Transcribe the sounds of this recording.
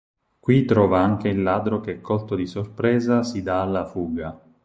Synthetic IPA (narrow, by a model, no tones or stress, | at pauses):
kwit̪ɾɔːvaaŋk̟eilːaːd̪ɾokeɛkʰːolt̪od̪isorpɾɛːzasid̪aːlːafuːɡa